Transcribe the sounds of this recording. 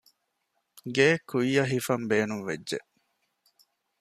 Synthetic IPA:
ɡeːkujːɐɦifɐmbeːnumʋedʒeʔ

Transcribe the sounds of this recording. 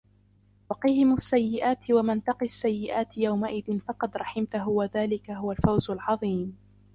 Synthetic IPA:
wɑqiːhɪmʊsːajːɪʔaːt̪ɪwamant̪ɑqiasːajːɪʔaːt̪ɪjawmaʔɪðɪnfɑqɑd̪ɾˤɑħɪmt̪aɦʊwaðaːlɪkaɦʊwalfawzʊlʕɑðˤiːm

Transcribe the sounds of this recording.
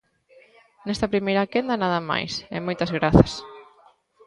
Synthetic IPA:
nɛst̪ɐpɾimejɾɐkend̪ɐnaðɐma̰jsɛ̰mojt̪ɐzɣɾaθɐs

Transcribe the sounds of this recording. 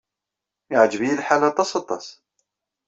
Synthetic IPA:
aʕad͡ʒbilħalat̪ˤːɑsˤɑt̪ˤːɑs

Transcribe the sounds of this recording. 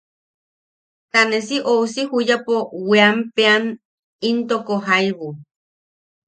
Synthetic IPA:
t̪anesiʔousihujapoweampean | int̪okoɦajβu

